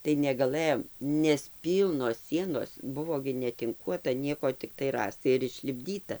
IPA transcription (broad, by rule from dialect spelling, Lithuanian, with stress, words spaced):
tɐɪ nʲɛɡɐˈlˠɘjoːm nʲɛs ˈpʲiːlˠnoːs ˈsʲiɛnoːs ˈbʊʋoː ɡʲɪ nʲɛtʲɪŋˈkuɔtɐ ˈnʲiɛkoː ˈtʲɪktɐɪ ˈrɑːstɐɪ ɪr ɪʃʲlʲɪbʲˈdʲiːtɐ